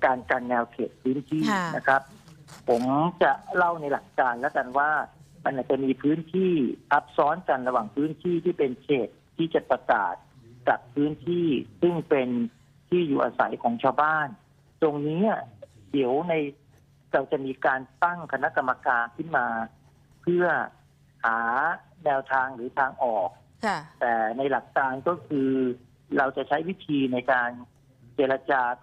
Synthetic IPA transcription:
kaː˧nka˧nːɛː˧wkʰeː˨˩t̪̚pʰɯː˦˥nt̪ʰiː˥˩na˦˥kʰɾa˦˥p̚pʰo˩˦mt͡ɕa˨˩la˥˩wna˧jla˨˩kːaː˧nlɛ˦˥ka˧nwaː˥˩ma˧nʔaː˨˩t͡ɕa˨˩miː˧pʰɯː˦˥nt̪ʰiː˥˩ʔa˦˥p̚sɔː˦˥nka˧nɾa˧waː˨˩ŋpʰɯː˦˥nt̪ʰiː˥˩t̪ʰiː˥˩pe˧nt͡ɕʰeː˨˩t̪ʰːiː˥˩t͡ɕa˨˩pɾa˧ka̰ː˨˩t̪̚ka˨˩p̚ʰːɯː˦˥nt̪ʰiː˥˩sɯ˥˩ŋpe˧n | t̪ʰiː˥˩juː˨˩ʔaː˧sa̰˨˩˦jkʰɔː˩˦ŋt͡ɕʰaː˧wbaː˥˩n | t̪o˧ŋniː˦˥a˩ | t̪i˩˦əwna˧j | ɾa˧wt͡ɕa˨˩miː˧kaː˧nt̪a˥˩ŋkʰa˧na˦˥ʔka˧mːa˧kaː˧nkʰɯ˥˩nmaː˧ | pʰɯ˥˩ɐ | haː˩˦ | nɛː˧wt̪ʰaː˧ŋɾɯː˩˦t̪ʰaː˧ŋʔɔː˨˩k̚ | t̪ɛː˨˩na˧jla˨˩k̚t̪aː˧ŋkɔː˥˩kʰɯː˧ | ɾa˧wt͡ɕa˨˩t͡ɕʰa˦˥jwi˦˥t̪ʰiː˧na˧jkaː˧n | t͡ɕeː˧ɾa˧t͡ɕaː˧

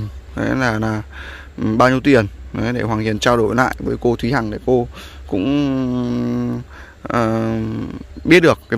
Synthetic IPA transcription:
ʔḛ˨˦laː˨˩naː˨˩˨ | ɓaː˧wɲi˧əwt̪i˨˩ənə˨˦jɗe˧˩hwaː˨˩ŋhi˨ənt͡ɕaː˧wɗo˧˩jla̰ː˧˨jvəː˨˦jko˧t̪ʰwi˨˦haː˨˩ŋɗe˧˩ko˧ | kʊ̰˧˥ŋ͡m | ʔəː˨˩ | ɓi˦˥ət̚ɗɨ˨˩ək̚ːa˨˦

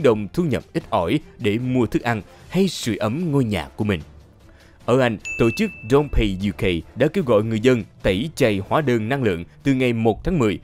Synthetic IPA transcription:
ɗə˨˧˩wŋ͡mt̪ʰu˧ɲə̰˨˩p̚ʔi˦˥t̚ʔɔ˧˩jɗe˧˩mu˧ət̪ʰɨ˦˥k̚ʔa˧n | ha˧jsɨ̰˧˨ʔə˨˦mŋo˧jɲa̰ː˨˩kːu˧˩əmï˨˩ŋ̟ | ʔəː˧˩ʔa˧jŋ̟t̪o̰˧˩˨t͡ɕɨ˦˥k̚zɔ˧npʰe˧zu˧ke˧˩jɗa̰ː˧˥ke˧wɣɔ̰˧˨jŋɨ˨˩əjzə˧nt̪ə˧˩jt͡ɕə˨˩jhwaː˨˦ɗəː˧˩nna˧ŋlɨ̰˧˨əŋt̪ɨ˨˩ŋa˨˩jmo˨˩t̚t̪ʰaː˨˦ŋmɨ˨˩əj

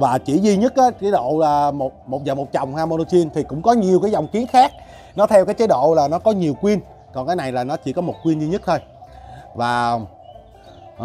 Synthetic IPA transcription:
vaː˨˩t͡ɕḭ˧˩zi˧ɲə˦˥t̚ʔaː˨˦t͡ɕaː˨˦jɗo̰˧˨laː˨˩mo˨˩t̚mo˨˩t̚zaː˨˩mo˨˩t̚t͡ɕa˨˩wŋ͡mhaː˧mo˧no˧t͡ɕi˧ənt̪ʰi˨˩kʊ̰˧˥ŋ͡mkɔ˨˦ɲi˨˩əwkaː˨˦za˨˩wŋ͡mki˨˦ənxaː˦˥k̚ | nɔ˨˦t̪ʰɛ˧wkaː˨˦jt͡ɕa˨˦jɗo̰˧˨laː˨˩nɔ˨˦kɔ˨˦ɲi˨˩əwkwi˧ən | kɔ˨˩nkaː˨˦jna˨˩jlaː˨˩nɔ˨˦t͡ɕḭ˧˩˦kɔ˨˦mo˨˩t̚kwi˧ənzi˧ɲə˦˥t̚t̪ʰo˧j | vaː˨˩

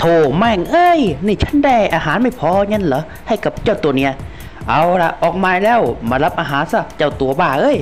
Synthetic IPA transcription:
t̪ʰoː˧˩ma˧˩˨ŋʔɤː˧˩jniː˧˩t͡ɕʰa˦˥˨ndaː˧˩jʔaː˧ɦaː˨˦nma˧˥˩jpʰɔː˧ŋɤ˧˥˨nlɔː˨˦ | ha˧˥˩jka˧˦p̚t͡ɕaː˧˩wt̪u˨˩ɐni˦˥˩ɐ | ʔa˨˧˥wla̰˧ʔʔɔː˨˩k̚maː˧lɛː˧˥˩wmaː˧˩la˦˥p̚ʔaː˧ɦaː˨˦nsa˧˩t͡ɕa˧˩wt̪u˨˦ɐbaː˧˩ʔɤː˧˥˨j

